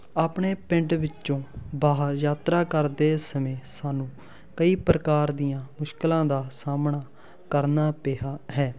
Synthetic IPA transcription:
aːpɳeːpɪ̃ɳʈʋɪt͡ʃːt͡ʃõːbaːɦəɾjaːt̪ɾaːkəɾd̪eːsəmẽːsaːnũː | kəiːpɾəkaːɾd̪ijãːmʊʃklãːd̪aːsaːmɳaː | kəɾnaːpeːɦaːɦɛː

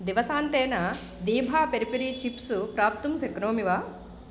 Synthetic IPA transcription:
d̪iʋɐsaːnt̪eːnɐ | d̪iːbʱaːpeɾipiɾiːt͡ʃipsupɾaːp̚t̪umsekɾoːmiʋaː

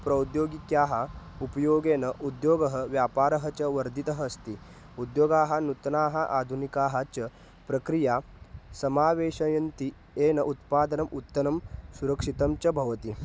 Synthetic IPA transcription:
pɾɐud̪joːɡikjaːɦɐupɐjoːɡeːnɐʔud̪joːɡɐɦɐʋjaːpaːɾɐɦɐt͡ɕɐʋɐɾd̪ʱit̪ɐɦɐːst̪i | ud̪joːɡaːɦɐnut̪ɐnaːɦɐʔaːd̪ʱunikaːɦɐt͡ɕɐ | pɾɐkɾijaː | sɐmaːʋeːʃɐjɐnt̪i | eːnɐʔut̪paːd̪ɐnɐmʔut̪ːɐnɐmsuɾɐkʂit̪ɐmt͡ɕɐbʱɐʋɐt̪i

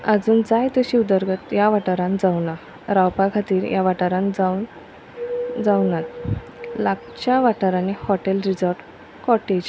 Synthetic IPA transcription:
ad͡zuːnd͡zajt̪əɕiːud̪əɾɡət̪jaʋaʈaɾãnd͡zawna | ɾawpakʰat̪iːɾjʔaʋaʈaɾãnd͡zan | d͡zawnat̪̚ | laɡ | t͡ɕaʋaʈaɾanihɔʈelɾid͡zəɾɖ | kɔʈed͡ʑ

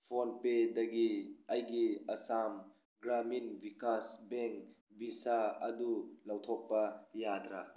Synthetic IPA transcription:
pʰonpedɐɡiɐjɡiɐsam | ɡɾaminbikasbeŋk | bisaɐdulɐwt̪ʰɔk̚pɐjadɾa

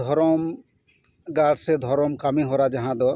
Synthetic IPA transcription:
ɔɾɔm | ɡaɖsed̪ʱɔɾɔmkamĩɦoɾad͡ʒaɦãd̪ɔ

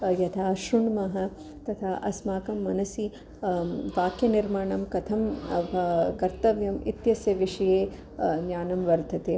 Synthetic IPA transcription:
jɐt̪ʰaːʃɾuɳmɐɦɐ | t̪ɐt̪ʰaːʔɐsmaːkɐmːɐnɐsi | ʋaːkjɐniɾmaːɳɐmkɐt̪ʰɐm | kɐɾt̪ɐʋjɐmḭt̪jɐsjɐʋiʂɐjeː | njaːnɐmʋɐɾd̪ʱɐt̪eː

